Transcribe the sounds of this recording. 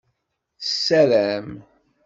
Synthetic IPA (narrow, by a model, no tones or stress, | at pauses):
θəsːæɾæm